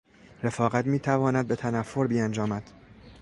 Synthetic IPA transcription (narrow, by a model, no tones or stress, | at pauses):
ɾe̞fɒːɣæt̪miːt̪ʰævɒːnæd̪̚be̞t̪ʰænæfːoɾbiːænd͡ʒɒːmæd̪̥